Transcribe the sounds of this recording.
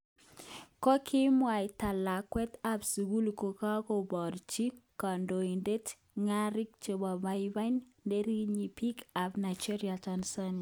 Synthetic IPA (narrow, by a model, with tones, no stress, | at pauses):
kɔ˦kʰɪ˦mwa˨i˨ta˨la˨kwɛ˦t̪a˦psi˨ɡu˦lko˨ka˦ko˨bɔ˨ɾt͡ʃi˦ka˨ndo˨i˨nde˦t | ŋa˦ɾɪ˦k̚t͡ʃo˨ba˨ba˨i˦ba˦n | nde˦ɾi˦ɲi˨pi˦ka˨pna˨ɪd͡ʒi˦ɾia˨t͡ʃa˨nsɔ˦n˨